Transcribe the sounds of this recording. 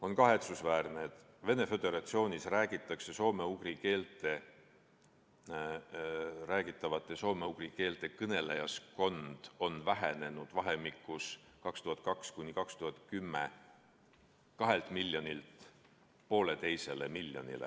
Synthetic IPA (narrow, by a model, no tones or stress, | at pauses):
o̞nkɑɦe̞t̪susvæːrneet̪ˑ | ve̞ne̞fø̞d̪e̞ɾɑt̪sio̞ːnʲisræːɡ̥it̪ːˑɑkse̞so̞ːme̞uɡ̥rike̞ːlt̪ˑe̞ | ræːɡit̪ˑːɑvɑt̪ːˑe̞so̞ːme̞uɡ̥rike̞ːlt̪ˑe̞kɤne̞lejɑsko̞nd̪̥o̞nvæɦene̞nud̪̥vɑɦe̞mikːˑus | kɑkst̪uhɑt̪̚ˑkɑkskunʲikɑkst̪uhɑt̪ˑkymːe̞̰ | kɑɦe̞lt̪ˑmilʲːjo̞nʲilt̪ | po̞ːle̞t̪e̞jse̞le̞milːjo̞̰nʲḭlḛ